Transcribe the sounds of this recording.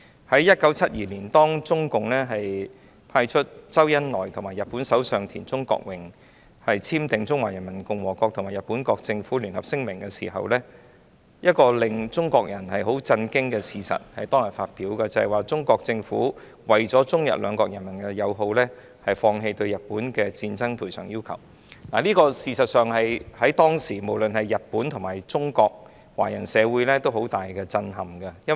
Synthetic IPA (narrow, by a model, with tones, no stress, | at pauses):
hɐ˨˥jɐ˥t̚kɐ˨˥wt͡sʰɐ˥t̚jiː˨˩liː˨˩nt̪ɔː˥ŋt͡sʊ˥ŋkʊ˨ŋlɛː˥ɦɐ˨j | pʰaː˧jt͡ʃʰɵ˥t̚t͡sɐ˥wjɐ˥nlɔː˨˩jt̪ʰʊ˨˩ŋmaː˨˩jɐ˨t̚pːuː˨˥nsɐ˨˥wsœː˨ŋt̪ʰiː˨˩nt͡sʊ˥ŋkɔ̰ː˧k̚wɪ˨˩ŋ | hɐ˨jt͡sʰiː˥mt̪ɪ˨ŋt͡sʊ˥ŋwaː˨˩jɐ˨˩nmɐ˨˩nkʊ˧ŋwɔː˨˩kɔː˧k̚tʰʊ˨˩ŋmaː˨˩jɐ˨t̚pːuː˨˥nkɔː˧k̚t͡sɪ˧ŋfuː˨˥ly˨˩nhɐ˨˩p̚sɪ˥ŋmɪ˨˩ŋkɛː˧sḭː˨˩ɦɐ̰˨wlɛː˥ | jɐ˥t̚kɔː˧lɪ˨ŋt͡sʊ˥ŋkɔː˧k̚jɐ˨˩nhɐ˨jɦo˨˥wt͡sɐ˧nkɪ˥ŋkɛː˧siː˨sɐ̰˨t̚hɐ˨jt̪ɔː˥ŋjɐ˨˩faː˧t̚piː˨˥wkɐː˧t͡sɐ˨hɐ˨jwaː˨t͡sʊ˥ŋkɔː˧k̚t͡sɪ˧ŋfuː˨˥ | wɐ˨jt͡sɔː˨˥t͡sʊ˥ŋjɐ̰˨˩t̚lœː˨˧ŋkɔː˧k̚jɐ˨˩nmɐ˨˩nkɛ˧jɐ˨˧wɦo˧wlɛː˥ | hɐ˨jfɔː˧ŋɦe˧jt̪ɵ˧ɥjɐ˨t̚pːuː˨˥nkɛ˧t͡siː˧nt͡sɐ˥ŋpʰuː˨˩jsʰœ̰ː˨˩ŋjiː˥wkʰɐ˨˩w | naː˨˩liː˥kɔː˧siː˨sɐ˨t̚sœː˨ŋhɐ˨jhɐ˨˥jt̪ɔː˥ŋsiː˨˩mo˨˩wlɵ˨nhɐ˨jːɐ˨t̚pːuː˨˥nt̪ʰʊ˨˩ŋmaː˨˩jt͡sʊ˥ŋkɔː˧k̚ | waː˨˩jɐ˨˩nsɛː˨˧wu˨˥jlɛː˥t̪o˥who˨˥wt̪aː˨jkɛː˧t͡sɐ˧nɦɐ˨mɡɐ˧jɐ˥n